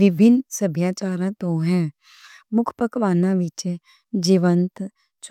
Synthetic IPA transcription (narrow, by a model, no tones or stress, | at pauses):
ʋɪbʱɪnsəbʱjaːt͡ʃaːɾãt̪oɦɛ̃ | mʊkʰpəkʋaːnãʋɪt͡ʃe | d͡ʒiːʋənt̪ | t͡ʃ